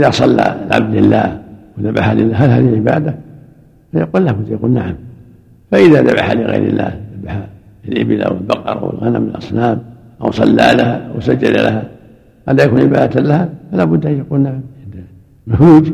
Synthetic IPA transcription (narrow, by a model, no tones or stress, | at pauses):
ʔɪðasˤɑlːalʕa̰b̚d̪lɪlːaːhwɪðaba̰ħalɪlːaɦalɦaːðihɪlʕɪbaːd̪a | fajakuːllaːbʊd̪ːjakuːlnaʕam | faʔɪðaðabaħa̰lɪɣa̰jɾɪ̰lːa̰ːhðabaħa | lʔɪbɪlʔa̰wɪlbɑqɑ̰ɾˤʔa̰wɪ̰lɣanamɪlʔɑsˤnaːm | ʔawsˤɑlːaːlahaʔawsad͡ʒːad̪a̰lʔa̰ha | ʔad̪ajakuːnʕɪbaːd̪at̪lahafalaːbʊd̪ːʔanjakuːlnaʕamʔɪnd̪a | jʊuːd͡ʒ